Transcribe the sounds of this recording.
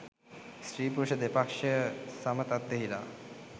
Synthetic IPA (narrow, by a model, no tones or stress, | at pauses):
sɾipuɾuʃod̪epakʃisamət̪at̪ːeɦiɾa̰